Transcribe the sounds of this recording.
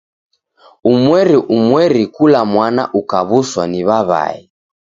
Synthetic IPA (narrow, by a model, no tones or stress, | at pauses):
umwɛɾiʔumwɛɾikulamwana̰ʔukaβuswaniβaβa̰i